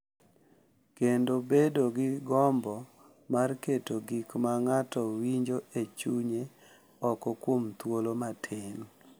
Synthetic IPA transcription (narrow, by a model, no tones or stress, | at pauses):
kendobedoɡɪɡɔmbɔ | marketoɡikmaŋatɔwiɲd͡ʒoet͡ʃuɲe | ɔkɔkwomt̪wolomatʰɪn